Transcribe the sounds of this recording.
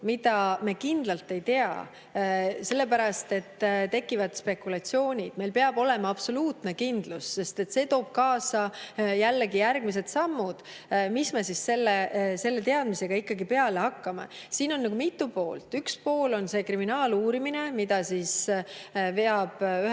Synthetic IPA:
mid̪̥ɑme̞kind̪̥lɑlt̪ːˑe̞jt̪e̞ɑ̰ | se̞lːe̞pæɾɑst̪e̞t̪ːt̪e̞kːˑivɑd̪̥spe̞kulɑt̪sio̞ːnʲid̪̥mejlpe̞ɑb̥o̞le̞mɑɑb̥so̞luːt̪ne̞kind̪̥lusːe̞st̪e̞t̪ːse̞ːt̪o̞ːb̥̚kɑːsɑjælːe̞ɡijærɡ̥mis̬e̞t̪sɑmːud̪̥ | misme̞sisse̞lːese̞lːe̞t̪̬eɑd̪̥mise̞ɡ̥ɑikːɑɡipe̞ɑle̞hɑkːɑmɑ̰siːno̞nːɑɡ̥umit̪ːˑupo̞ːlt̪ːˑykspo̞ːlo̞nse̞kriminɑːluːɾimine̞mid̪̥ɑsiːs | veɑb̥y

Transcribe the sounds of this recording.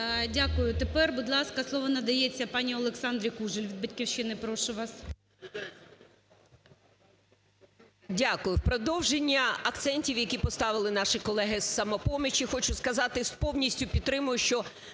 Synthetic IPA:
dʲakʊjʊt̪epɛrbud̪lˠɑskɐslˠɔʋɔnɐd̪ɐjet͡sʲːɐpɑnʲiɔlˠeksɑnd̪ɾʲikuʒɪlʲʋʲid̪̚bɐtʲkʲiwʃɪnɪpɾɔʃʊʋɑs | dʲakʊjʊwpɾɔd̪ɔwʒenʲːɐɐkt̪sɛnʲtʲiwjɐkʲipɔst̪ɑʋɪlˠɪnɑʃɪkɔlˠɛɦɪsːɐmɔpɔmʲit͡ʃixɔt͡ʃʊskɐzɑt̪ɪspɔwnʲisʲtʲʊpʲid̪t̪ːɾɪmʊjʊʃt͡ʃɔ

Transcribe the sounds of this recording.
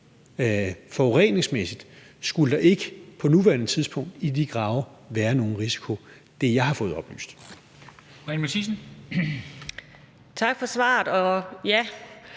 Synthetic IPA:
fɒʁen̰e̝ŋsmesid̥ | sɡ̥uləd̥ɑ̈ʔe̝ɡ̥əpʰɒ̽nuʋæːɐnət͡sʰiðˠsb̥ʰɔ̽ŋ̰d̥id̥iɡ̥ʁɑ̈ʊɐʋæːɐno̝ːn̩ʁisi̥kʰo̝ | d̥ejɑ̈ɪhɑ̈fɔ̽ːð̞̩ˠɒ̽b̥ly̰ːsd̥ | ɛnmesisn̩ | t͡sʰɑ̈ɡ̥fɒ̽sʋɑ̰̈ːd̥ɒ̽jæ

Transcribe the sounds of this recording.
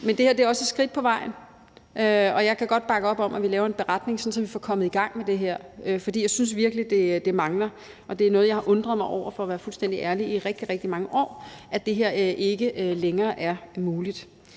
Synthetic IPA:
mend̥e̝heɐ̰d̥eæɐɒ̽səe̥sɡ̥ʁid̥̚pʰɒ̽ʋɑ̈ɪ̰n̩ | ʔøɒ̽jɑ̈ɪkʰæɡ̥ɒ̽d̥̚b̥ɑ̈ɡ̥əɒ̽b̥ɒ̽mʔæʋilɛːʊɐe̝nb̥e̝ʁad̥ne̝ŋsɒ̽nsɒ̽mʋifɒ̽kʰɒ̽mð̩ˠiɡ̥ɑ̈ŋ̰med̥e̝ɦeɐ̰øfɒd̥ḭːjaɪsynsʋiɐɡ̥əlid̥e̝d̥e̝mɑ̈ŋlɐ | ʔɒ̽d̥e̝æɐnɔð̞̩ˠjɑ̈ɪhɑ̈ʔɔ̽nd̥ʁɐðˠmɑ̈ɪɒʊ̰ɐfɒ̽ɒʋæːɐfulsd̥en̰d̥iʔæɐliiʁɛɡ̥̚d̥iʁɛɡ̥d̥imɑ̈ŋəʔɒ̰ːʔæd̥e̝ɦeɐ̰ʔe̝ɡ̥əʔleŋɐːʔæɐmuːlid̥

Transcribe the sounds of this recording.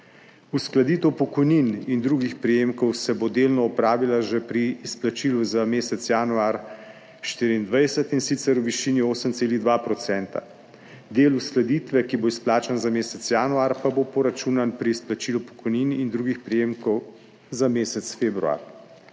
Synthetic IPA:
usklad̪iːt̪əwpɔkɔjninind̪ɾuːɡixpɾijeːmkɔwsɛbod̪eːlnɔɔpɾaːʋilaʒɛpɾiːsplat͡ʃiːluzameːsɛt̪sjaːnuaːɾ | ʃt̪iːɾiːnd̪ʋajsɛt̪insit̪sɛɾuʋiʃiːnioːsəmt̪eːliɣd̪ʋaːpɾɔt̪sɛnt̪a̰ | d̪eːlusklad̪it̪ʋɛkiboisplaːt͡ʃanzameːsɛt̪sjaːnuaɾpabopɔɾat͡ʃuːnanpɾiːsplat͡ʃiːlupɔ̥kɔjninind̪ɾuːɡixpɾijeːmkɔw | zameːsɛt̪sfeːbɾua̰ɾ

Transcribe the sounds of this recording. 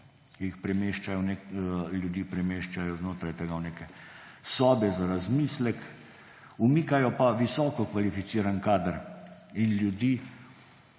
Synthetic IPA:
kjixpɾɛmeːʃt͡ʃajɔneljud̪iːpɾɛmeːʃt͡ʃajɔznoːt̪ɾajt̪ɛɡawnekɛ | sɔːbjɛzaɾazmislɛk | umiːkajɔpaʋisɔːkɔkʋalifit̪siːɾankaːd̪əɾ | inlʲjud̪iː

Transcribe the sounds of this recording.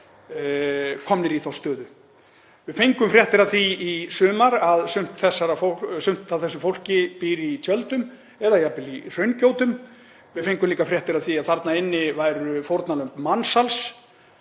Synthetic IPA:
kʰɔmnɪɾiθawst̪œːðʏ | vɪðfejŋkʏmfɾjɛht̪ɪɾaðθiisʏːmaɾaðsʏm̥t̪θɛsːaɾafosʏm̥t̪θaðθɛsʏfowl̥cɪpiːɾɪit̪ʰjœlt̪ʏm | ɛðaiapɪlir̥œɥncowt̪ʏm | vɪfejŋkʏmliːkafɾjɛht̪ɪɾaðθiaðθaɾt̪naɪnːɪvajɾʏfowɾt̪nalœmpmansals

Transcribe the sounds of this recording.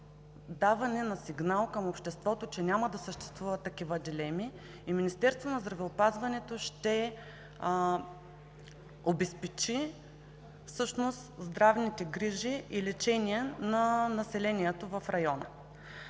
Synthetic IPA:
d̪avɐnɛnɐsiɡnalˠkəmopʃt̪ɛst̪vɔt̪ot͡ʃɛnʲamɐd̪ɐsəʃt̪ɛ̥st̪vuvɐt̪ːɐkivəd̪ilɛmi | iminist̪ɛɾst̪vonɐzd̪ɾɐvɛopazvɐnɛt̪oʃt̪ɛ | obɛspɛt͡ʃi | fsɤʃnost̪zd̪ɾavnit̪ɛɡɾiʒiʔilɛt͡ʃɛniɛnɐnɐsɛlɛniɛt̪ovɐfɾɐjɔnə̰

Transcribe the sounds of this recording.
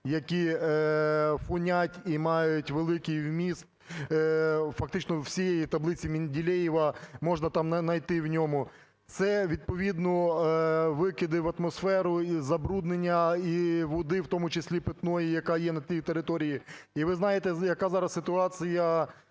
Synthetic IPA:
jɐkʲi | fʊnʲatʲimɑjʊtʲʋelˠɪkɪjwmʲist̪ | fɐk̚t̪ɪt͡ʃnɔwsʲijejit̪ɐblˠɪt͡sʲimʲinʲdʲilʲɛjiʋɐmɔʒnɐt̪ɑmnɐnɐjt̪ɪwnʲɔmʊ | t̪sɛʋʲid̪̚pɔʋʲid̪nɔ | ʋɪkʲɪd̪ɪʋɐt̪mɔsfɛɾʊizɐbɾud̪nenʲːɐiʋʊd̪ɪwt̪ɔmʊt͡ʃesʲlʲipɪt̪nɔjijɐkɑjɛnɐt͡sʲijt̪eɾɪt̪ɔɾʲijiiʋɪznɑjet̪ɛjɐkɑzɑɾɐssɪt̪ʊɑt͡sʲijɐ

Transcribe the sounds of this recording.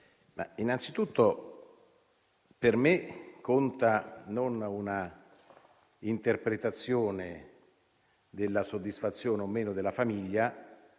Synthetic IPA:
ma̰inant̪sit̪ut̪ːo | permekːont̪anonuna | int̪erpɾet̪at̪sːjoːne | d̪elːasod̪ːisfat̪sːjoːneomːeːnod̪elːafamiʎːa

